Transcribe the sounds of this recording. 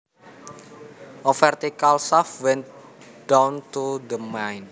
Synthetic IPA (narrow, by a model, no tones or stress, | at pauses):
ʔɔfɛrt̪ikalsafwɛnt̪̚ | d̥awnt̪ud̪əmajn